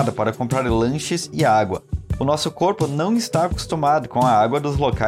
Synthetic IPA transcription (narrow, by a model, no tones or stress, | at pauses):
d̪ɐpaɾɐkõpɾaɾlɐ̃ʃɪzɪaɡwɐ̰ʊnɔsʊkoɾpʊnɐ̃w̃ɪst̪aːku̥st̪umad̪ʊkõw̃ɐaɡwɐd̪ʊzloka